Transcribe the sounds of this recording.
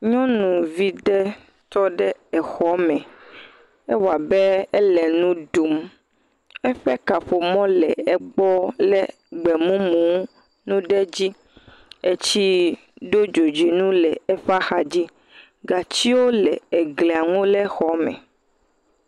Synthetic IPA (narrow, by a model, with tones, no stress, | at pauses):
ɲɔ̃˦nũ˨vi˦ɖɛ˦ | t̪ɔ˦ɖɛ˦ɛ˨xɔ˦mɛ̃˨ | e˦wa˨bɛ˦ɛ˦lɛ˨nũ˦ɖu˨m | ɛ˦ɸɛ˦ka˨ɸo˨mɔ̃˦lɛ˨ɛ˦ɡ͡bɔ˦lɛ˦ | ɡ͡bɛ˨mũ˦mũ˨˦ | nũ˦ɖɛ˦d͡ʑi˦ | e˦t͡ɕi˦ | ɖo˦d͡ʒo˨d͡ʒi˨nũ˦lɛ˨ɛ˦ɸa˦xa˨d͡ʑi˦ | ɡa˨t͡ɕi˦wo˦lɛ̰˨ɛ˨ɡle˨a˨ŋũ˦lɛ˦xɔ˦mɛ̰̃˨